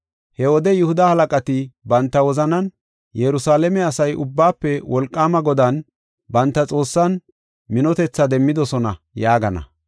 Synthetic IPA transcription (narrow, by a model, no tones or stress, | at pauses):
hɛwɔd̪ɛjʊhʊd̪ɐhɐlɐkʼɐt̪ɪbɐnt̪ːɐwɔzɐnɐn | jɛɾʊsaːlɛmɛɐsɐjʊ̰bːaːpːɛwɔlkʼːaːmɐɡɔd̪ɐn | bɐnt̪ːɐt͡sʼo̞ːsːɐn | mɪnɔt̪ɛt͡sːɐd̪ɛmːɪd̪ɔsɔnɐ̰ | jaːɡɐnɐ̰